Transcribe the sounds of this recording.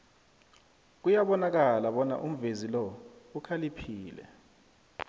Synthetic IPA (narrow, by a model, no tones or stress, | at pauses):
k̬ujaɓɔnak̬alaɓɔna̰ʔum̩vezilɔukʰalipʰiːlɛ̰